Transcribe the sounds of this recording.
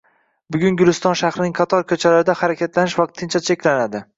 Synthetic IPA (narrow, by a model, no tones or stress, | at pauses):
bʊɡʲʊŋɡʲʊlɪst̪ɒnʃahɾɪnɪŋqʰɑt̪ʰɒɾkʲʰɵt͡ʃʰalaɾɪd̪ahaɾakʲat̪lanɪʃvɒq̚t̪ʰːɪnt͡ʃʰat͡ʃʰekʲlanad̪ɪ